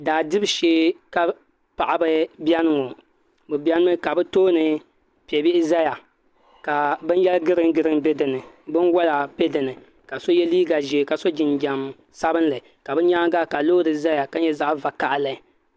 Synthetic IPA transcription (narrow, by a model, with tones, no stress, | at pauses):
daː˨dɨ˦bʃeː˦ka˦ | pa˨ʔa˨bɨ˦bja˦nɨ˦ŋo˨ | bɨ˨bʲa˦nɨ˦mɨ˦ka˨bɨ˦toː˦nɨ˨ | pi˨ɛ˨bɪ˦ʔɪ˦za˦ja˨ | ka˨bɨ˦n˦jɛ˦lɡɨ˦ɾɨ˦ŋ˦ɡɨ˦ɾɨ˦m˦be˦dɨ˨nɨ˨bɨ˦nwɔ˦la˨pe˦dɨ˨nɨ˨ | ka˨so˦jɛ˦liː˦ɡa˨ʒeː˨ka˨so˦d͡ʒɪ˨nd͡ʒa˨m | sa˦bɨ˦n˦lɨ˨ka˨bɨ˦ɲa˦ɡa˦ka˨lo˦dɨ˨za˦ja˨ka˦ɲɛ˦za˦ʔva˨ka˨ʔlɨ˨